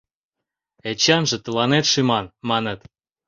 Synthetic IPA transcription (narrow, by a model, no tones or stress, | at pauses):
et͡ɕɑnʒĕt̪ə̆lɑnet̪ʃimɑnmɑnə̆t̪